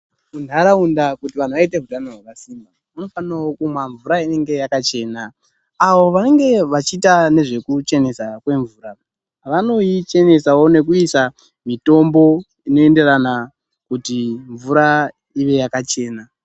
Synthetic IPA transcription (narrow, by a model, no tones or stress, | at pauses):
undaɾaundakutiʋan̤uʋaiteɦutanoɦwakasiːmba | uno̞fanawokumwaɱvuɾaine̞ŋɡe̞jakat͡ʃe̞ːnaː | wo̞ʋane̞ŋɡe̞ʋat͡ʃiːtane̞ʐe̞kut͡ʃe̞ne̞sakwe̞ɱvuːɾa | ʋano̞it͡ʃe̞ne̞sawo̞ne̞k̬uisa | mito̞mbo̞ | ino̞e̞nde̞ɾana | kutiɱvuɾa | iʋe̞jakat͡ʃe̞ːna